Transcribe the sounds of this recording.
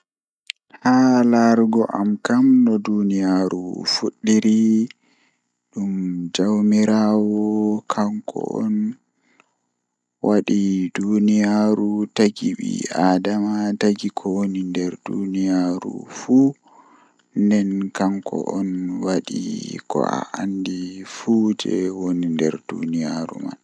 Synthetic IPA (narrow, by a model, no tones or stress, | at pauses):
halaɾɡɔʔamkamnɔdunijaɾṵfuɗːiɾi | ɗumd͡ʒawmiɾawɔkʰaŋkʰɔ̰ʔɔ̰n | wʔaɗidunijaɾutaɡiɓḭadamataɡikʰɔwonindɛɾdṵnijaɾṵfu | ndɛnkaŋkʰɔ̰ʔɔnwaɗḭkɔ̰a̰ʔandifud͡ʒɛ̰wonindɛ̰ɾdṵnijaɾṵma̰n